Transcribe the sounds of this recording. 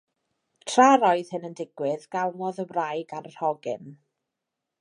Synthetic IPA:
tʰraɾɔɨð̥hɨnəndɪɡ̥wɪðɡalˠnɔðəwrajɡarərhɔɡɪ̰n

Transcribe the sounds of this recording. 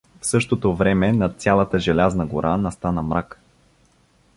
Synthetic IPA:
fsɤʃt̪ot̪ovɾɛmɛnɐt̪sʲjalˠɐt̪əʒɛlʲaznəɡoɾʔanɐst̪anəmɾak

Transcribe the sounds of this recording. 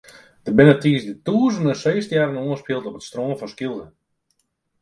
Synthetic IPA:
d̥əbɪnətiːəsdətuəzəndənsejstəjaːɾənoənspilˠtɔpətstroːnfɔnskilˠdə

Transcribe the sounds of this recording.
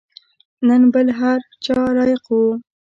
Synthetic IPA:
nənbəlɦaɾt͡ʃɑɾɑjɪqwu

